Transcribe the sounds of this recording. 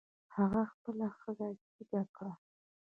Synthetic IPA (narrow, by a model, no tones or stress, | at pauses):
haɣaxpəlaxəzasiɡakʰa